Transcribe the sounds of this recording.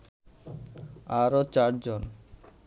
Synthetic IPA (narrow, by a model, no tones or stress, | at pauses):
aɾot͡ɕaɾd͡ʑon